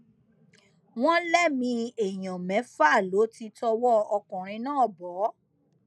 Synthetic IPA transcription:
w̃ɔ̃˦lɛ˦˨mĩ˧e˨j̃ã˨mɛ̃˨˦fa˦˨lo˨˦ti˧tɔ˧wɔ˦ɔ˧kɔ̃˨ɾ̃ĩ˧˦nãː˦˨bɔ˨˦

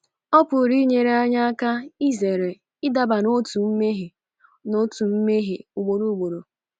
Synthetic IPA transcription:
ɔ˦pʊ˨ɾi˦ɲe˨ɾe˦a˦ɲa˦a˦ka˦i˦ze˨ɾe˨ | ɪ˦da˨ba˨no˦tu˨m̩˦me˦ɦe˨ | no˦tu˨m̩˦me˦ɦe˨ʊ˨ɡ͡bo˨ɾu˦˨ɡ͡bo˨ɾo˨

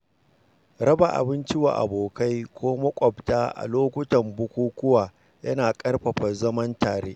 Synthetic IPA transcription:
ɽɐ˦ba˨ʔa̰˨bɪ˦nt͡ʃɪ˦wa̰ː˨ʔa̰˨boː˨ka˦jkʷoː˦mɐ˦kʷʼɐ˨btaː˦ʔa̰˨loː˦kʷʊ˦tɐ˨mbʊ˦kʷuː˦kʷʊ˦waː˨ | jɐ˦naː˨kʼɐ˦rɸɐ˨ɸɐ˨zɐ˦mɐ˦ntaː˨ɽeː˦ʔ

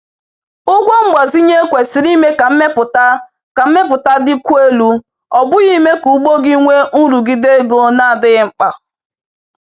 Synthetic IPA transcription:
ʊ˦ɡʷo˦ŋ͡m̩˦ɡ͡bɔ˨zi˦ɲe˦kʷe˨si˨ɾi˦me˦ka˨˦me˦pʊ˨ta˦ | ka˨m̩˦me˦pʊ˨ta˦dɪ˦kʷu˦e˦lu˦ | ɔ˨bʊ˦ɣi˦me˦ku˨˦ɡ͡bo˦ɡi˦ŋʷe˦u˦ɾu˨ɡi˨de˦ɡo˦na˦a˨dɪ˦ɣɪ˦ŋ͡m̩˦k͡pa˨

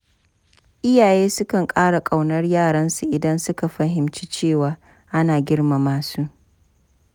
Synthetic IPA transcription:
ʔɪ˦jaː˨jeː˦sʊ˦kɐ˨ŋkʼaː˦ɽa˨kʼa˨wnɐ˦rjaː˦˨ɽɐ˦nsu˨ʔɪ˨dɐ˦nsʊ˦ka˨ɸɐ˦ɦɪ˨mt͡ʃi̥˦t͡ʃeː˦˨waː˨ | ʔa˦naː˨ɡʲɪ˦rma˨maː˨suː˦ʔ

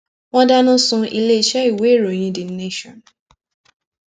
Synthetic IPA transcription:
ŋɔ̃˦da˦nʊ̃˦sʊ̃˦ʔḭ˦le˦˨t͡ʃɛ˦i˨we˦ɾo˨ɲĩ˦dɪ˨n̩˦ne˦ʃɔ˨n

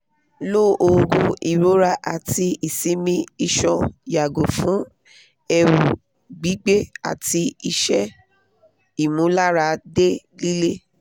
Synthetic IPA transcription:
lo˦ʔo˧ɡo˧i˨ɾo˨˦ɾa˧ʔa˨ti˧i˨sĩ˨˦mĩ˧i˧ʃɔ˧ja˨ɡo˨fũ˨˦ | ɛ˧ɾu˨ | ɡ͡bi˨˦ɡ͡be˦a̰˨ti˧i˧ʃɛ˦ | i˨mũ˨˦la˦ɾa˧de˦ | li˦le˦

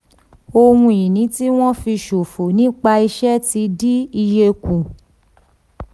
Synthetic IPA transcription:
o˧wũ˧i˨nĩ˨˦ti˦w̃ɔ̃˦fi˧ʃo˨fo˨nĩ˦k͡pa˧i˧ʃɛ˦ti˧˦di˦i˧je˧kũ˨

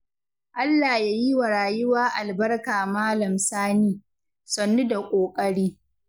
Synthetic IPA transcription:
ʔa˦lːaː˨jaː˦ji˦wa˨ɽaː˨jʊ˦waː˦ʔa˨lbɐ˦rkaː˨maː˦lɐ˨msaː˦niː˦ | sɐ˨nːu˦da˨kʷʼoː˨kʼɐ˦ɽiː˦

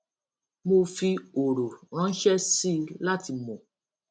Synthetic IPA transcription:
mo˧fi˧o˨ɾo˨ɾ̃ã˨˦ʃɛ˦si˦la˦ti˧mõ˨

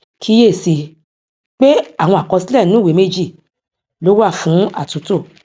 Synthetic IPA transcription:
kʰi˧˦je˦˨si˧ | k͡pe˦a˦˨w̃ɔ̃˧a˨kɔ˧si˦lɛ˦˨nũ˦we˨˦me˦d͡ʒi˦˨ | lo˨˦wa˦˨fũ˨˦a̰˦˨tũ˨˦to˦˨

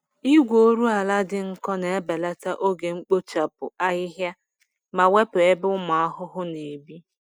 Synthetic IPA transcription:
i˦ɡʷoo˦ɾu˦a˨la˦dɪ˦ŋ̩˦kɔ˦ne˨e˦be˨la˦ta˦ʔo˦ɡe˨ŋ͡m̩˦k͡po˦t͡ʃa˨pʊ̰˨a˦ɪ˦ɦja˦ | ma˨we˦pʊ˨e˦bʊ˦mʊ˨a˦ɦʊ˦ɦʊ˦ne˨bi˦

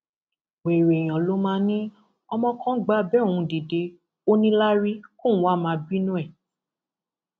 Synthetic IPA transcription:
we˨ɾe˨j̃ɔ̃˨lo˧˦mãː˦nĩ˦ | ɔ˧mɔ̃˧kɔ̃˦ɡ͡ba˦bɛ˦˨ũ˧di˨de˧ | o˦nĩ˦la˦ɾi˦kõ˦˨˦wa˦˨mãː˧˦bi˦nũ˦ɛ˦˨

